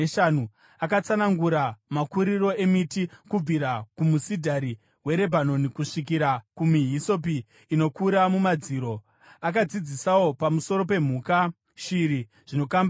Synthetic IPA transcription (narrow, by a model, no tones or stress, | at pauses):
ʃanu | akat͡sanaŋɡuɾamakuɾiro̞e̞mitikub͡viɾakumusidʱaɾi | we̞ɾe̞bʱano̞nikuʂik̬iɾakumiɦisop̬iː | no̞kuɾamumad͡ziːɾo̞ | ak̬ad͡zid͡zisawo̞pamusoɾo̞pe̞m̤uːka | ʃiɾi | ʐ̥ino̞kamba